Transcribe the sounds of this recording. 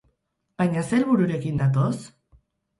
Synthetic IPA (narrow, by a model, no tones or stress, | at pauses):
b̥ajɲase̞lβuɾuɾe̞kind̪at̪̬os